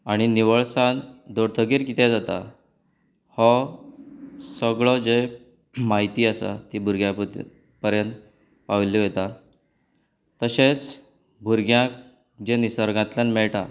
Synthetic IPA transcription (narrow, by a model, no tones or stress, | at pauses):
aɽ̃iniʋəɭsand̪oɾt̪ʰəɡiɾkit̪ɛd͡zat̪a̰ | hɔ | səɡɭɔd͡ze | maɦit̪iːəsa̰t̪iːbʱuɾɡja | pəɾjənt̪ | paʋlːiʋjet̪a | t̪əɕet͡s | bʱuɾɡjã | d͡ʑenisəɾɡãt̪lanmɛɭʈa